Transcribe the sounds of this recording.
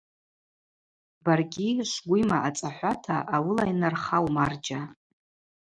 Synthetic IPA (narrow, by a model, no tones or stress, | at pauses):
barɡʲiʂɡʷʊimaʔat͡sʼaħʷatʰaʔawɨlajnarχawmard͡ʒa